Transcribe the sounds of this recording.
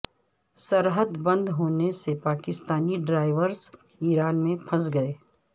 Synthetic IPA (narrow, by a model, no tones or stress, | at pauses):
səɾɦəd̪bɐ̃nd̪ʱɦoːnesepaːkɪst̪aːniɖɾaːɪʋəɾs | iːɾaːnmẽpʰɐsɡɐeː